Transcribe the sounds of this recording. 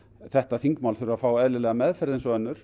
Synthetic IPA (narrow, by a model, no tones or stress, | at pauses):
θɛht̪aθiŋkmawlθʏɾʏɾafaːwɛðlɪlɛɣamɛðfɛɾðensɔœnːʏɾ̥